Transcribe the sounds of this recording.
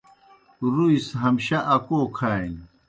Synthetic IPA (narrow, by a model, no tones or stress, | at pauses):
ɾuisɦɐmɕɐʔɐkoːkʰaːjn